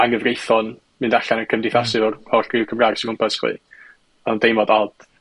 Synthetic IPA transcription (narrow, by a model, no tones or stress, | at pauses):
aŋəvrejθɔn | mɨndaɬanəkʰəmdɪθasɪvɔrɔɬriwkʰəmraɾsiʊmpʰɛsχwḭː | ɔdejmɔdalˠd̥